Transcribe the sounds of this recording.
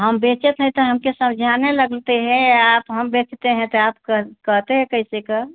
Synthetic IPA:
ɦəmbet͡ʃet̪ɦɛ̃t̪ɔɦəmkesəmd͡ʒʱaneləɡlt̪eɦɛ̃apɦəmbet͡ʃt̪eɦɛ̃t̪ɔapkkəɦt̪eɦɛ̃kəisekə

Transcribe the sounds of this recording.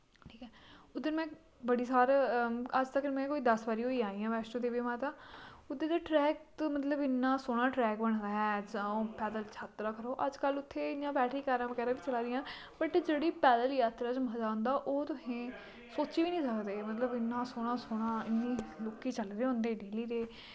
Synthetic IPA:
ʈʰi̥ːkɛːʊd̪ɪnmɛ̃ː | bəɽiːsaːɾəd͡ʒt̪əkmɛ̃ːkoːiːd̪əsbaːɾiːoːiːaːĩːãːʋɛːsʈõːd̪eːʋɪmãːt̪aːʊd̪eːd̪eːʈɾɛːk̚t̪mət̪ləbɪnːãːsoːɽ̃ãːʈɾɛːkbəɽ̃d̪aːɦɛːd͡ʒãːpɛːd̪əlt͡ʃʰaːt̪ɾaːkəɾoːʔəd͡ʒkəlʊt̪ʰːeːɪnjãːbɛːʈʰiːkəɾãːʋəkɛːɾãːʋiːt͡ʃəlaːɾɪjãː | pəʈd͡ʒeːɽiːpɛːd̪əljaːt̪ɾaːt͡ʃməd̪aːɦʊ̃nd̪aːʔoːt̪ʊsẽː | soːt͡ʃiːʋiːnĩːsəkd̪eːmət̪ləbɪnːãːsoːɽ̃aːsoːɽ̃aːɪnːĩːloːkiːt͡ʃəlɾeːɦõːnd̪eːɖeːliːɾeː

